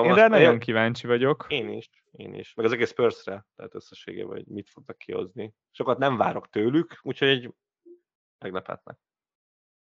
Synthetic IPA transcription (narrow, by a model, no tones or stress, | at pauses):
nd̪ɛnɒɟo̞ŋkivaːɲt͡ʃivɒɟo̞keːniʃ | eːnḭʃmɛɡɒzɛɡeːspørsrɛt̪ɛ̰ɦɛt̪øsːɛʃḛːɡḛːbɒ̰o̰ɟmit̪fo̞ɡ̚nɒkːiho̞̰zni | ʃo̞kɒt̪nɛɱvaːɾo̞kt̪øːlykuːcho̞ɟɛɟ | mɛɡlɛpɛ̰t̪nɛ̰k̚